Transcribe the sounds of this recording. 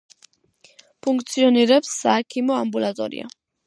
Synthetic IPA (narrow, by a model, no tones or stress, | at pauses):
pʰuŋk̚t̪sʰiɔniɾɛpsːaːkʰimɔambulat̪ʼɔ̰ɾḭa̰